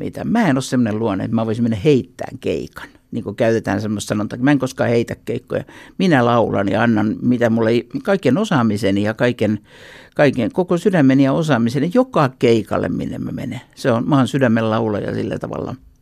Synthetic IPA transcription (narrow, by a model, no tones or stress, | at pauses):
mḭːt̪æ̰mæːenossemːoneluɑnḛḛt̪mæːʋoisimenːæheit̪ːæ̰ːŋkḛikɑ̥n | niːŋkokæyðet̪æ̰ːnsemːost̪sɑnot̪ɑkmæeŋkoskɑːheit̪ækkeikːo̰jɑ̰minælɑulɑ̰njɑ̰ɑnːɑnmit̪æmulːeikɑikenosɑmisenijɑkɑiken | kɑikeŋkokosydæmːˑenjɑosɑmisenjokɑkeikɑ̰lːḛmmḭnːḛmmæ̰mḛneseonmɑːnsydæmːellɑulɑ̰jɑ̰sḭlːæ̰t̪ɑ̰ʋɑ̰lːɑ̰